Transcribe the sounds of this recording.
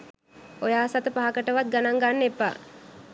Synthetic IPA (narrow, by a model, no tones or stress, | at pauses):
ojaːsat̪əpaɦakəʈəʋat̪̚ɡanaŋɡanːepːa̰